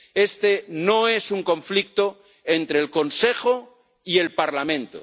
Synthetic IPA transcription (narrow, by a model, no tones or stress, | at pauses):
est̪enoesuŋko̞ɱflik̚t̪o | ent̪ɾeːlkonsexo | ie̞lpaɾlamẽ̞nt̪o̰